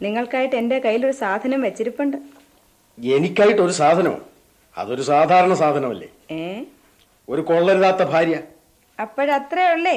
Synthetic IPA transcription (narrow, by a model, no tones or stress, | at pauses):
niŋːɐɭkaːjiʈːe̞nde̞kɐjːilo̞ɾusaːd̪ʱɐnɐmʋɐt͡ɕːiɾupːɐɳɖɨ | e̞nikʲːaːjiʈːo̞ɾusaːd̪ʱɐnɐ̰mṵ | ɐ̰ðo̞ɾusaːd̪ʱaːɾɐɳɐsaːd̪ʱɐnɐmɐlːḛːeː | o̞ɾukoɭːɐɾuðaːt̪ːɐbʱaːɾjɐ | ɐpːoɻɐt̪reoɭːe